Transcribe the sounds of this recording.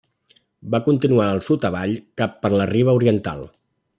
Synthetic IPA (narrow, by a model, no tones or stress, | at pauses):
bakunt̪inuaəlˠsut̪əβaʎkapːəɾləriβ̞əuɾiənt̪a̰lˠ